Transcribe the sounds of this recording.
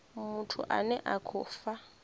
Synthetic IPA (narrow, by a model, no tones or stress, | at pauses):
mutʰṵʔa̰nɛʔakʰʊfa